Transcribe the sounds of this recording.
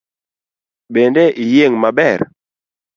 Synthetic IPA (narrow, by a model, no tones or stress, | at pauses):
bɛndeʔijeŋmabɛɾ